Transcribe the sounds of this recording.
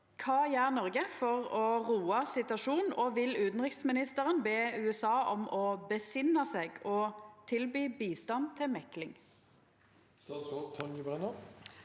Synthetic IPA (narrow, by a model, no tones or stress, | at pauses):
kʰɑːjæʁnɔʁɡəfɔʁɔʁuːɑsɪt̪ʉɑʃuːnn̩ɔʋɪlʉːt̪n̩ʁɪksmɪnɪst̪əʁənbeːʉːɛsɑːʔɔmʔɔbəsɪnɑseːɡɔt̪ʰɪlbyːbiːst̪ɑnt̪ʰɪlmɛklɪŋ | st̪ːskɔt̪ʰɔnjəbɛnə